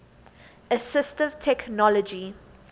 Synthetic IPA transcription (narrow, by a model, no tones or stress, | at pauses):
əsɪstɪvtʰɛknɔlɔd͡ʒi